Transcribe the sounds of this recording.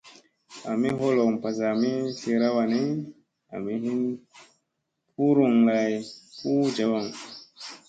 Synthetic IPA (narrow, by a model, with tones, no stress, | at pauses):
a˨mi˦ho˦lo˨ŋ˨pa˨za˨mi˦se˨ɾa˦wa˨ne˦ | a̰˨mi˦ɦi˦n | pu˦ɾu˨ŋ˨la˨jpu˦d͡ʒa˨wa˨ŋ